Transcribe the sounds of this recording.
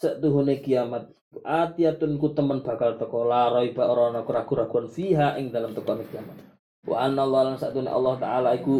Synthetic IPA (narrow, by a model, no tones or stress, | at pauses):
saʔt̪uɦunekiamat̪̚ | ʔat̪iat̪ʊnkut̪əmənbakalt̪ɔkɔlaɾɔibaɾɔnɔkuɾaɡuɾaɡuanfiɦaʔɪŋdalamt̪ɔkɔnekiamat̪̚ | wʔa̰ʔanːalːalaŋsaʔt̪unḛʔɑ̰lːɑht̪a̰alaiku